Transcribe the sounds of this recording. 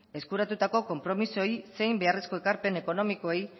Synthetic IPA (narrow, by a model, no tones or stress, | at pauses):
e̞skuɾat̪ut̪ako̞ko̞mpɾo̞miso̞jse̞jmbe̞aresko̞e̞kaɾpe̞ne̞ko̞no̞miko̞ej